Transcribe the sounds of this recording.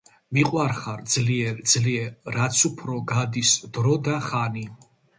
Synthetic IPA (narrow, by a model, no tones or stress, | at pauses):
miqʼwaɾχaɾd̪zliɛɾd̪zliɛːat̪sʰupʰɾɔɡad̪isd̪ɾɔd̪aχani